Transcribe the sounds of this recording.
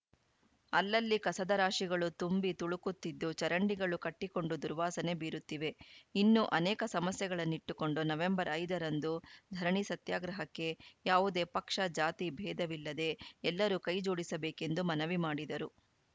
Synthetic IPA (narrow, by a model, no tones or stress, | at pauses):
ɐlːɐlːikɐsɐd̪ɐɾaːʂiɡɐɭut̪umbit̪uɭukut̪ːid̪ːut͡ʃɐɾɐɳɖiɡɐɭukɐʈːiko̞ɳɖud̪uɾʋaːsɐne̞biːɾut̪ːiʋe̞inːuʔɐnɛːkɐsɐmɐsjɛɡɐɭɐnːiʈːuko̞ɳɖunɐʋe̞mbɐɾɐjd̪ɐɾɐnd̪ud̪ʱɐɾɐɳisɐt̪jaːɡɾɐɦɐkːe̞jaːʋud̪e̞ːpɐkʂɐd͡ʒaːt̪ibʱɛːd̪ɐʋilːɐd̪e̞ɛlːɐɾukɐjd͡ʒoːɽisɐbeːke̞nd̪umɐnɐʋimaːɽid̪ɐɾu